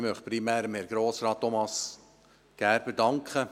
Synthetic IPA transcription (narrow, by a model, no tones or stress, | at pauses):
mœχpɾimæːɾəmhɛɾɡ̥ɾoːsɾɑːtːomɑs | ɡ̥æːɾb̥edɑŋkχə